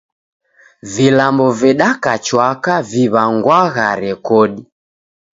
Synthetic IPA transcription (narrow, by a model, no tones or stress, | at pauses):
vilambɔvɛɗakat͡ʃwakaviβaŋɡwaɣa̰ɾɛkɔɗi